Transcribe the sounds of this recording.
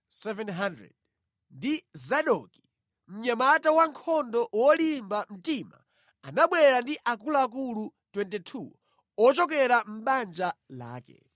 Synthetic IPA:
sɛvɛnɦandɾɛ̰d̚ | ndizaɗɔki̥ | m̩ɲamatawaŋkʰɔndɔwɔlimbam̩tima̰ | anaɓwɛɾandiʔak̬ulaːk̬ulutwɛntɛtʰṵ | ɔt͡ʃɔk̬ɛɾam̩ɓand͡ʒala̰ːkɛ̰

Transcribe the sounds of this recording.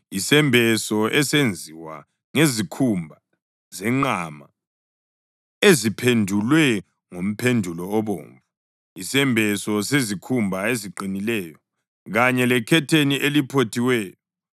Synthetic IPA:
isɛmbʱɛsɔʔɛsend͡zʱiwa̰ | ŋezikʰumbʱa | zɛŋ͡ǃama̰ | ezipʰendʱulwɛ | ŋom̩pʰendʱulɔːβo̰ːɱvu | isɛmbʱɛsɔsezikʰumbʱaeziǃinilɛːjɔ | ɣaɲɛlɛkʰɛtʰeniʔelipʰotʰiwɛːjɔ

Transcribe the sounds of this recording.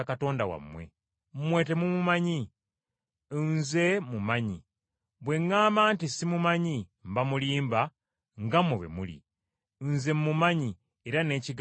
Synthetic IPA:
akato̞ːndawa̰mːwe̞̰ | mmwe̞ːte̞mumumaɲi | nze̞mumaɲi | βwe̞ŋːaːmaːntisimumaɲim̩bamuliːmba | ŋɡamweβḛmṵlḭ | nze̞mmumaɲi | eɾane̞ːciɡ

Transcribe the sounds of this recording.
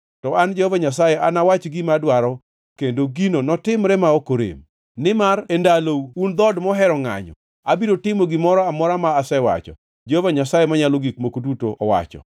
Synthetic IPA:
tɔʔand͡ʒɛhɔvaɲasajɛʔanawat͡ʃɡimadwaɾɔ | kendoɡinonɔtɪmɾɛmaokoɾḛm | nɪmaɾendalound̪ɔdmɔɦɛɾɔŋa̰ɲɔ̰ | abiɾotɪmoɡɪmɔɾɔamɔɾamaːsɛwa̰t͡ʃɔ̰ | d͡ʒehɔvaɲasajemaɲaloɡik̚mokodutoʔɔwa̰t͡ʃɔ̰

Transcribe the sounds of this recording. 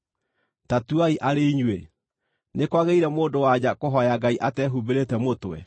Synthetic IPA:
tatuaiʔaɾeiɲwe | nekwaɣeiɾɛmoːdowad͡ʑakoɦɔjaɡaiʔatɛːɦubeɾetɛmotowɛ̰

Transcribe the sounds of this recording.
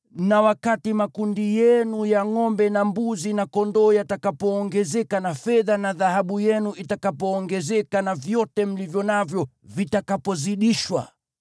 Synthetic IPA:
nawakatimakundijɛnujaŋɔmbɛnambuzinakɔndɔːjatakapɔːŋɡɛzɛkanafɛðanaðahaɓujɛnuʔitakapɔːŋɡɛzɛkanavjɔtɛm̩livjɔnavjɔ | vitakapɔziɗiʃwa̰

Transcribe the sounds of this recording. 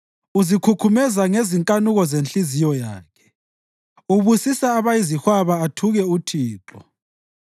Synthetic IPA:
uzikʰukʰumɛzaŋeziŋkʼanuɣɔzent͡ɬizijɔjaːkʰɛ̥ | uβusisaːβajizihwaβaːtʰuɣɛutʰiːǁɔ̰

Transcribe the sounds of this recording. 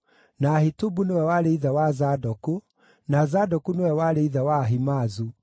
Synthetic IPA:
naːhitubunewɛwaɾeiðawazadɔku | nazadɔkunewɛwaɾeiðawaɦimaːzu

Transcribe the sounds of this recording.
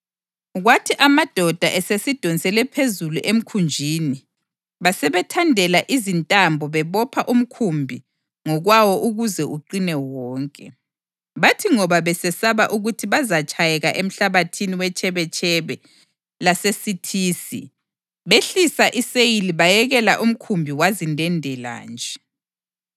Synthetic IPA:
ɣwatʰiʔamad̥ʱɔd̥ʱaʔesesid̥ʱonsɛlɛpʰezuluʔem̩kʰund͡ʒʱiːni | βasɛβɛtʰandʱɛlaʔizintʼambʱɔβɛβɔpʰaʔum̩kʰumbʱi | ŋɔɣwawɔʔuɣuzɛʔuǃinɛwɔːŋkʼɛ | βatʰiŋɔβaβɛsɛsaβaʔuɣutʰiβazat͡ʃʼajɛɣaʔem̩ɬaβatʰiniwɛt͡ʃʼɛβɛt͡ʃʼɛβɛ | lasesitʰiːsḭ | βeɬisaʔisejiliβajɛɣɛlaʔum̩kʰumbʱiwazindʱɛndʱɛla̰ːnd͡ʒʱɛ

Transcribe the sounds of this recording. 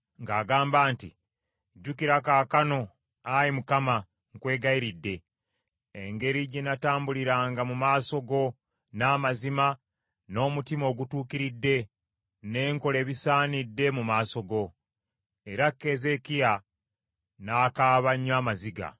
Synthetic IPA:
ŋɡaːɡaːmbaːntḭ | ɟːukiɾakaːkano̞ | ajimukama | ŋkwe̞ːɡajiɾidːe̞ː | ŋɡe̞ɾiɟenataːmbuliɾaːŋɡamumaːso̞ɡo̞ | naːmazima | no̞ːmutimo̞ːɡutuːkiɾidːe̞ | ne̞ːŋko̞le̞ːβisaːnidːe̞mumaːso̞ɡo̞ | e̞ɾakːe̞ze̞kija | naːkaːβaɲːaːmaziɡa̰

